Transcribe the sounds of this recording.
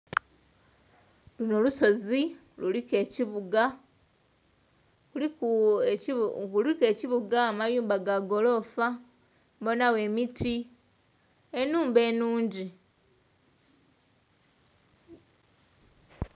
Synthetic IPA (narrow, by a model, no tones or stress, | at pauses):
lunoluso̞zi | lulike̞ːciβuɡa | kulike̞ːciβuɡaːmajuːmbaɡaɡo̞lo̞fa | mbo̞nawe̞mitʰi | enuːmbe̞ːnuːɲɟi